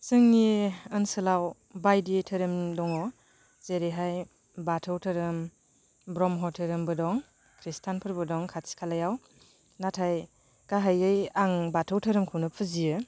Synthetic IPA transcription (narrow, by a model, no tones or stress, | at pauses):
sɯŋːiɯnsɯlaw | bajditʰɯɾɯmdɔŋɔ | zeɾiɦaj | batʰɯwtʰɯɾɯm | bɾɔmɦɔtʰɯɾɯmbɯdɔŋ | kʰɾistʰanpʰɯɾbɯdɔŋkʰatsi̥kʰalajaw | natʰaj | kaɦajɯjaŋbatʰɯwtʰɯɾɯmkʰɯwnɯpʰɯzijɯ